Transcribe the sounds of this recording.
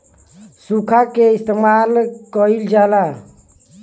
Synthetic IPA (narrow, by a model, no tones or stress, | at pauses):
sukʰakeist̪emalkəild͡ʒaːla